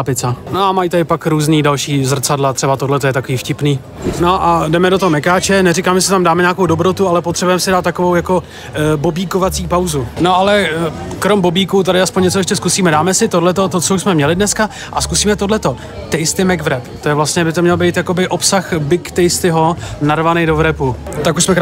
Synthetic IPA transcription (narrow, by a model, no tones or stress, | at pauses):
apɪt͡sanoamajt̪adɪpakɾuːzniːdalʃiːzr̩t͡sadlat̪r̥ɛbat̪odlɛt̪ojɛt̪akoviːfcɪpniː | noʔadɛmɛdot̪oɦomɛkaːt͡ʃɛnɛɾɪkaːmɛsɪt̪amdaːmɛɲaːkowdobɾot̪ualɛpot̪r̥ɛbujɛmsɪdaːt̪ːako̞vowjako̞ | bobiːko̞vat͡siːpawzuno̞alɛkɾo̞mbobiːkut̪̬adɪaspoɲɲɛt͡soɛʃcɛskusiːmɛdaːmɛsɪt̪odlɛt̪o̞t̪ot͡sousmɛmɲɛlɪdnɛska | ʔaskusiːmɛt̪odlɛt̪o̞ | t̪ɛjst̪ɪmɛɡvɾɛpt̪ojɛvlastɲɛbɪt̪omɲɛlbejt̪jako̞bɪʔo̞psaxbɪkt̪ɛjst̪ɪɦo̞narvanɛjdo̞vɾɛput̪akuʃsmɛ